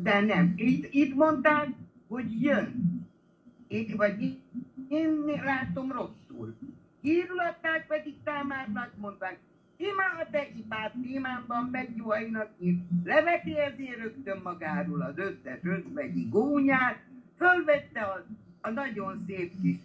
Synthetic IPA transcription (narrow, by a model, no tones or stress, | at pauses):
d̪ɛnɛmiːt̪iːt̪mo̞nt̪aːk | ho̞ɟjøn | evɒɟieːnlaːt̪o̞mro̞sːṵːl | iːɾulɒt̪ːaːk̚pɛd̪ik̚t̪aːmaːt̪nɒk̪mo̞nt̪aːk̚ | imaːɒd̪ɛipaːt̪ːeːmaːbɒmmɛɡjuɒjinɒk̚iʃlɛvɛt̪eɛzeːrøkt̪ømːɒɡaːɾoːlɒdøt̪ːɛt̪røzʋɛɟiɡoːɲaːt̪̚følvɛt̪ːɛɒːnɒɟo̞nseːp̚kiʃ